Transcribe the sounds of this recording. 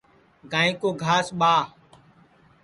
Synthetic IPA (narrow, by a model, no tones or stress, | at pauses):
ɡãːĩːkoːɡʱaːsɓaː